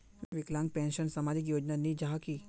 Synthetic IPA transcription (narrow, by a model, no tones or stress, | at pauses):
ʋiklãŋɡ̚pɛ̃nʃənsəmad͡ʒik̬joːd͡ʒnanid͡ʒaki